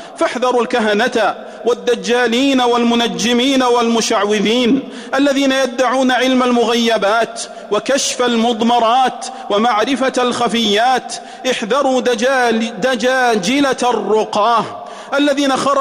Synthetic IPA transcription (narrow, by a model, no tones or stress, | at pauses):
faħðɑɾˤalkaɦanat̪a | wad̪ːad͡ʒːaːliːnawalmʊnad͡ʒːɪmiːnawalmʊʃaʕwɪðiːn | ʔalːaðiːnajad̪ːaʕuːnaʕɪlmalmʊɣajːabaːt̪ | wakaʃfalmʊðˤmɑɾˤɑːt̪wamaʕɾɪfaalxafɪjːaːt̪ | ʔɪħðɑɾˤuː | d̪ad͡ʒaːd͡ʒɪlarːʊqɑːh | ʔalːaðiːnaxɑɾˤ